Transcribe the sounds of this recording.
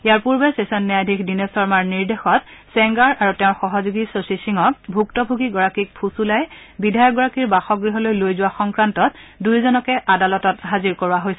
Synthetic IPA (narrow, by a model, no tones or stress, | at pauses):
eaɹpuɹbɛsesɔnːɛadʱikdinesɔɹmaɹniɹdexɔt̚sɛŋɡaɹaɹutɛʊ̃ɹxɔɦɔzuɡisosisiŋɔk̚bʱuktɔbʱuɡiɡɔɹakik̚pʰusulaj | bidʱajɔk̚ɡɔɹakiɹbaxɔɡɹiɦɔlojlojzʊwaxɔŋkɹantɔt̚dujzɔnɔkɛʔadalɔtɔtɦaziɹkɔɹuaɦojsɛ